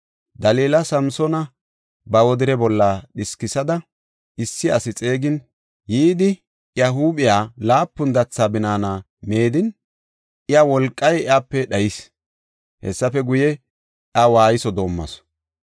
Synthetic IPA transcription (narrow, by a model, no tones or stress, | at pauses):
d̪ɐleːlɐsɐmsɔnɐ | bɐwɔd̪ɪɾɛbɔlːɐɗɪskɪsɐd̪ɐ | ʔɪsːɪɐsɪt͡sʼe̞ːɡɪn | jiːd̪ɪ | jɐɦuːbɪjaːlaːpːʊnd̪ɐt͡sːaːbɪnaːna | me̞ːd̪ɪn | ɪjɐwɔlkʼːɐjɪaːpːɛɗɐjɪs | hɛ̰sːɐfɛɡʊjɛ | ɐwaːjɪsɔd̪o̞ːmːɐ̰s